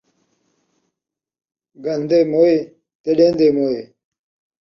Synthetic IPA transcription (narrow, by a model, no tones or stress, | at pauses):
ɡɐnd̪emoi | t̪eɖeːnd̪eːmoːi